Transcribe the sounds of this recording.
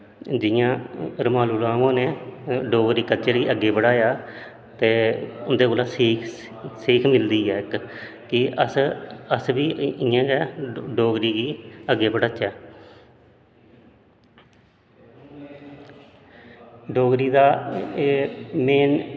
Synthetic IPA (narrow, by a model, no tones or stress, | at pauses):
d͡ʒɪjãːɾəmaːluːɾaːʋãːneːɖoːɡɾiːkət͡ʃəɾɡiːʔəɡːeːbəɽaːjaː | t̪eːʊnd̪eːkoːlaːseːk | seːkʰmɪld̪iːɦɛːɪk | kɪəsəsʋiːɪjãːɡɛːɖoːɡɾiːɡiːəɡːeːbəɽət͡ʃːɛː | ɖoːɡɾiːd̪aː | meːn